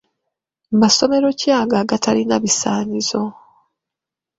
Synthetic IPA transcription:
maso̞me̞ɾo̞caːɡaɡatʰaɾinaβisaːɲizo̞

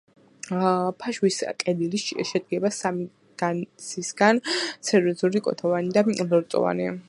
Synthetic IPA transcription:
pʰaʃwiskʼɛd̪iliʃɛd̪̚ɡɛbasami | ɡ̥ansʰisɡ̥ansɛɾiɔzuɾikʼɔ̰t̪ʰɔvanid̪alɔɾt̪ʼɔ̰va̰ni

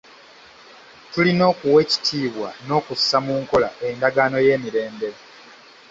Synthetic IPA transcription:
tulino̞ːkuwe̞ːci̥tʰiːβwa̰no̞ːkusːamuːŋko̞la̰ʔe̞ndaɡaːno̞je̞ːmiɾe̞ːmbe̞ɾe

